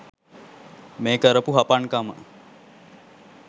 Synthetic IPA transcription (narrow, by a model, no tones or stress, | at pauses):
meːkəɾəpuɦapankamə̰